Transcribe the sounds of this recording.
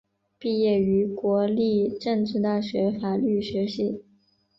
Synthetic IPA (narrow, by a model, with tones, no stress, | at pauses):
pi˥˧jɛ˥˩y˧˥kwɔ˧˥li˥˧ʈ͡ʂɤ˥˧ŋʈ͡ʂɻ̩˥˧t̪a˥˩ɕɥɛ˧˥fa˨˩ly˥˩ɕɥɛ˧˥ɕi˥˩